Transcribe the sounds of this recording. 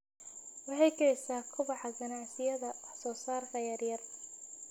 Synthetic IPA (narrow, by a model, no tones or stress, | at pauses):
wɑħɛjkʰɐjsaːkʰʊβɑħɑɡɐnaʕsɪjɐðɐsɔːsaːrkʰɐjɐrjɐr